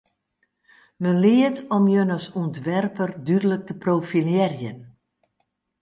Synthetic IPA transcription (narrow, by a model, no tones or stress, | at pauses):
məlɪətɔmjønəsuəntʋɛrpərdydələk̚təprowfiljɛrjən